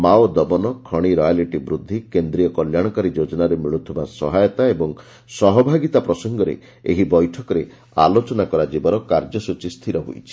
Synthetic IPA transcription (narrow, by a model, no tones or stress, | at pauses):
mawod̪ɔbɔnɔkʰɔɽ̃iɾɔjaliʈibɾud̪ʱːikend̪ɾijɔkɔljaɽ̃ɔkaɾid͡ʒod͡ʒɔnaɾemiɭut̪ʰɔbasɔ̰ɦajɔt̪aebɔŋ | sɔɦɔbʱaɡit̪apɾɔsɔŋɡɔɾḛ | ḛɦibɔjʈʰɔkɔɾe | a̰lot͡ʃɔnakɔɾad͡ʒibɔɾɔkaɾd͡ʒɔsut͡ʃist̪ʰiɾɔɦṵjt͡ʃʰi̥